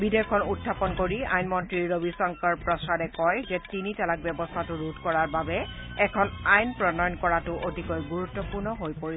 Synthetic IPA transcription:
bidekʰɔnutʰːapɔnkoɹia̰jnmɔntɹiɹobisɔŋkɔɹpɹɔsadɛkɔjzɛtinitɛlak̚bjɛbɔstʰatʊɹudʱkɔɹaɹbabɛɛkʰɔnajnpɹɔnɔjɔnkɔɹatʊʔodʱikojɡuɹutːɔpuɹnɔɦojpoɹis

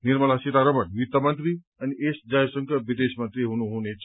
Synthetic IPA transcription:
niɾməlasit̪aɾəmɐnʋit̪ːɐmənt̪ɾi | aniʔesd͡ʒajsəŋkʰəʋid̪esmənt̪ɾiɦonuɦonet͡ʃ

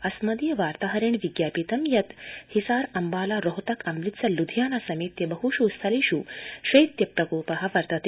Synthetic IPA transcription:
ɐsmɐd̪ijɐʋaːɾt̪aːɦɐɾeːɳʋiɡjaːpit̪ɐmjɐt̪hisaːɾɐmbaːlaɾɔɦt̪ɐkʰɐmɾit̪sɐlud̪ʱjaːnasɐmeːt̪jɐbɐɦuʃust̪ʰɐliɕuːʃɐit̪jɐpɾɐkoːpɐɦɐʋɐɾt̪ɐt̪i

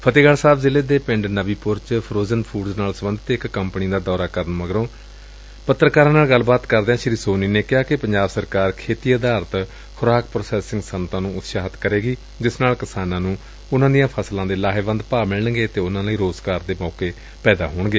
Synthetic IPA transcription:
pʰət̪eːɡaːɽsaːbzɪleːd̪eːpɪ̃ɳɖnəʋiːpʊɾt͡ʃpʰɾoːzənpʰuːɖznaːlsəmənd̪ət̪ɪkːəmpniːd̪aːd̪ɔːɾaːkəɾəɳməɡɾõː | pət̪ːɾəkaːɾãːnaːlɡəlbaːt̪kəɾd̪eãːʃɪɾiːsoːniːneːkɪɦaːkɪpəɲd͡ʒaːbsəɾkaːɾkʰeːt̪iːəd̪aːɾt̪ | kʰʊɾaːk̚pɾoːsɛːsɪŋɡsənt̪ãːnũːʊt̪ʃaːɦət̪ʰkəɾeːɡiː | d͡ʒɪsnaːlkɪsaːnãːnũː | ʊnãːd̪ijãːpʰəslãːd̪eːlaːɦeːbə̃nd̪paːmɪɭəɳɡeːt̪eːʊnãːləiːɾoːzɡaːɾd̪eːmɔːkeː | pɛːd̪a̰ːɦoːɳɡeː

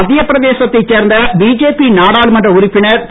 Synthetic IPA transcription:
ɐðɪjɐpɪɾɐðeːsɐt̪ːɐɪt͡ʃːeːɾnd̪ɐbiːd͡ʒeːpinaːɽaːlmɐndrɐʊɾɪpːɪnɐɾ

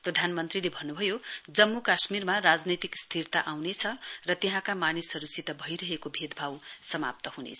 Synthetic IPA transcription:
prʌd̪ʱanmʌnt̪rilebʱʌnːubʱʌjod͡zʌmːukasmirmarad͡znit̪ikst̪ʰirt̪aʔawnet͡sʰʌrʌt̪eɦãkamanisʌɾusit̪ʌbʱʌjɾʌɦekobʱed̪ʱbʱawsʌma̰p̚t̪ʌhunḛt͡sʰʌ̥

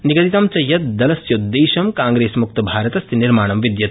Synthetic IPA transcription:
niɡɐt̪it̪ɐmt͡ʃɐjɐt̪̚d̪ɐlɐsjɐd̪ːeːʃɐmkãːŋɡɾeːsmuk̚t̪ɐbʱaːɾɐt̪ɐst̪ʰiniɾmaːɳɐmʋid̪jɐt̪

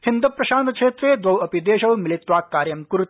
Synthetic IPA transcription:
hind̪upɾɐʃaːnkʃʰeːt̪ɾed̪ʋɐwɐpid̪eːʃɐwmilit̪ʋaːkːaːɾjɐmkuɾut̪

